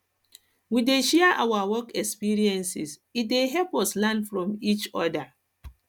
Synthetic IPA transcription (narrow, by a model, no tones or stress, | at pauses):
wideʃɛaʔawawɔkɛkspiɾiɛ̃nsisit̚deɦɛpɔslãndfɹɔ̃mit͡ʃɔda